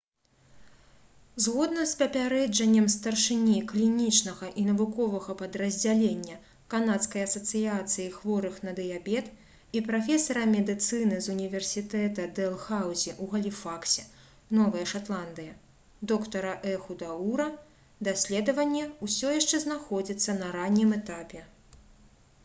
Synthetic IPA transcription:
zɣɔd̪nɐspɐpʲaɾɛd͡ʐɐnʲːɐmst̪ɐrʂɨnʲiklʲinʲit͡ʂnɐɣɐʔinɐvukɔvɐɣɐpɐd̪ɾɐzʲd͡zʲalʲenʲːɐ | kanat̪skɐjɐsɐt̪sɨjat̪sɨjixvɔɾɨxnɐd̪ɨjabʲɛt̪ | ipɾafʲɛsɐɾɐmʲɛd̪ɨt̪sɨnɨzunʲivʲɛrsʲit̪ɛt̪ɐd̪ɛlˠxawzʲiʔuɣɐlʲifaksʲɛ | nɔvɐjɐʂat̪lˠand̪ɨjɐ | d̪ɔkt̪ɐɾɐʔɛxud̪auɾɐ | d̪asʲlʲɛd̪ɐvɐnʲːɛusʲɔjaʂt͡ʂɛznaxɔd͡zʲit̪sːɐnɐɾanʲːimɛt̪apʲɛ

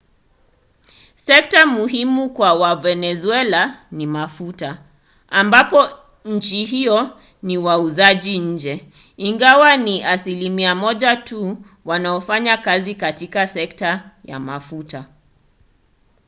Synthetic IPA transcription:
sɛk̚tamuɦimukwawavɛnɛzuɛlanimafuta | ambapɔ | ɲ̩t͡ʃiɦiɔ | niwauzaʄiɲ̩d͡ʒɛ | iŋɡawaniʔasilimiamɔʄatu | wanaɔfaɲakazikatikasɛk̚taja̰mafuta

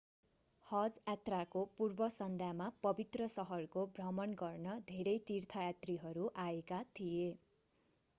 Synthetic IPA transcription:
hʌd͡zjat̪rakopurbʌsʌnd̪ʱjamapʌbit̪rʌsʌɦʌrkobrʌmʌnɡʌrnʌd̪ʱeɾʌjt̪irt̪ʰʌjat̪riɦʌɾuʔaekat̪ʰije

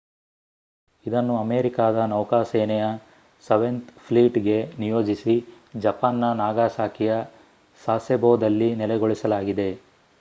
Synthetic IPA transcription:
id̪ɐnːuɐmeːɾikaːd̪ɐnɐwkaːseːnɛjɐ | sɐʋe̞nt̪pʰliːʈɡe̞nijoːd͡ʒisi | d͡ʒɐpaːnːɐnaːɡaːsaːkʰijɐ | saːseboːd̪ɐlːinɛlɛɡoɭisɐlaːɡid̪e̞

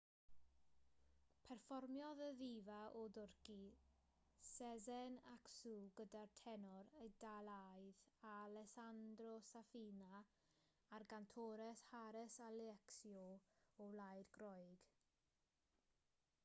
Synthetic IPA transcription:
pʰɛrfɔrmjɔðəðivaʔɔdʊrki | sɛzɛnaksuːɡədartʰɛnɔɾədalˠajðalɛsandrɔsafiːnaː | rɡantʰɔːɾɛshaɾɛsalɛksjɔɔlˠajdɡ̥ɾɔjɡ̥

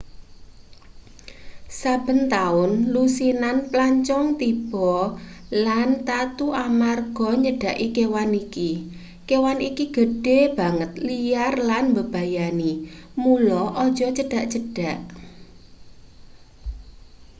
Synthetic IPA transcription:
sab̥ə̤nt̪aʊnlusinanplaɲt͡ʃɔŋt̪ib̥ɔ̤lant̪at̪uʔamarɡ̥ɔ̤ɲəɖ̥a̤ʔikewaniki | kewanikiɡ̥ə̤ɖ̥e̤b̥a̤ŋət̪lijarlanmbəb̥a̤janimulɔʔɔd̥ʒ̥ɔ̤t͡ʃəɖ̥a̤ʔt͡ʃəɖ̥a̤ʔ

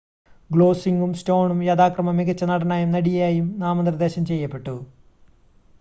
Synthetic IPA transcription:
ɡlo̞ːsiŋɡumsʈo̞ːɳumjɐd̪aːkrɐmɐmiɡɐt͡ɕːɐnɐɽɐnaːjumnɐɽijjaːjumnaːmɐnd̪rɐd̪e̞ːɕɐmt͡ɕe̞jːɐpːe̞ʈːu

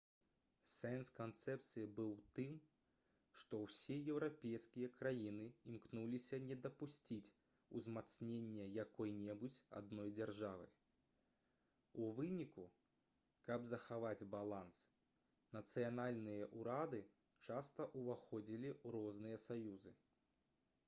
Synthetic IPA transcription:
sɛnskant̪sɛp̚t̪sɨjibɨwt̪ɨm | ʂt̪ɔwsʲejɛwɾapʲejskʲijɐkɾajinɨimknulʲisʲɐnʲɛd̪ɐpusʲt͡sʲit͡sʲ | uzmat̪snʲenʲːɛjakɔjnʲɛbut͡sʲa̰d̪nɔjd͡zʲarʐavɨ̰j | uvɨnʲiku | kɐbzɐxavad͡zʲbalˠans | nɐt̪sɨjanalʲnɨjɐʔuɾad̪ɨ | t͡ʂast̪ɐʔuvaxɔd͡zʲilʲiuɾɔznɨjɐsajuzɨ

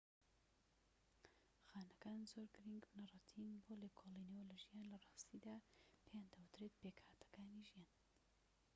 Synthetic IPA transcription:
xaːnɐkaːnzoɾɡɨɾiŋɡnɐrˤɑt̪ʰinbolekʰolˠinewɐlɐʒijaːnlɐrˤɑːst̪id̪aːpʰejaːnd̪awɨt̪ɾet̪̚pekhaːt̪ʰɐ̥kaːniʒijaːn

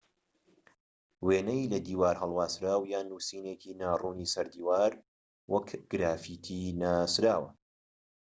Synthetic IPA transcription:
weːnɛjlɐd̪iːwaːɾhɐlˠwaːsɾaːwjaːnuːsiːneːkʰiːnaːruːniːsɐɾd̪iːwaːɾ | wɐkɡ̥ɾaːfit̪ʰinaːsɾaːwɐ̰

